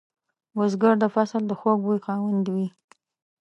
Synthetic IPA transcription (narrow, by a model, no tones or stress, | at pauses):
wəzɡəɽd̪əfasəld̪əxoɡwujxɑwand̪wi